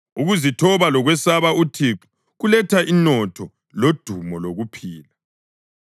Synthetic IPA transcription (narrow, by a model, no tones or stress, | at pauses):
uɣuzitʰɔβalɔɣwɛsaβautʰiǁu̥ | ɣulɛtʰaʔinɔtʰɔ | lod̥ʱumɔloɣupʰiːla